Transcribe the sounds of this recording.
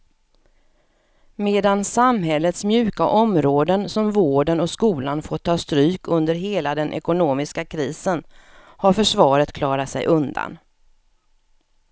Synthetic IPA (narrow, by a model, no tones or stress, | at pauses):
meːd̪ansamɦɛlːət̪smjʉ̟ːka̰ʔɔmɾoːd̪ənsɔmvoːɖənɔskuːlanfɔt̪ʰːɑːst̪ɾyːkʰɵnd̪əɾɦeːlad̪ɛnʔɛ̰kʊnoːmɪskakʰɾiːsən | haɾfœʂvɑːɾət̪kʰlɑːɾat̪sɛ̰jʔɵnd̪a̰n